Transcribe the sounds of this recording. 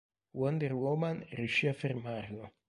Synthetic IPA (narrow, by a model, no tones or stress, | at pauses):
wɔnd̪erwɔmanrjuʃiafermarlo